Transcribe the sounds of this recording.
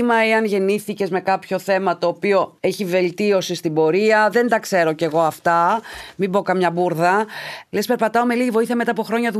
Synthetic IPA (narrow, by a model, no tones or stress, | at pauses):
mɐeɐnʝe̞niθice̞zme̞kɐpço̞θe̞mɐt̪o̞ːpio̞e̞çive̞lt̪io̞sist̪ibo̞ɾiɐðe̞nd̪ɐkse̞ɾo̞ce̞ɣo̞ɐft̪ɐmibo̞kɐmɲɐbuɾðɐlespe̞ɾpɐt̪ɐo̞me̞liʝivo̞iθiɐme̞t̪ɐːpoxɾo̞ɲɐðu